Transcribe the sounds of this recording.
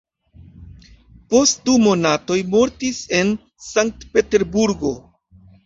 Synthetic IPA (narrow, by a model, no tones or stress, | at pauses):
po̞st̚dumo̞nato̞jmo̞ɾtise̞n | saŋk̚tpe̞te̞ɾbuɾɡo̞